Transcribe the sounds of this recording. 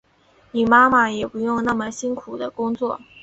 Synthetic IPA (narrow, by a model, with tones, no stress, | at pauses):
ni˨˩ma˥ma˨˩jɛ˨˩pu˧˥jʊ˥˧ŋna˥˩mə˨˩ɕi˥nkʰu˨˩d̪ə˦kʊ˥ŋt͡swɔ˥˩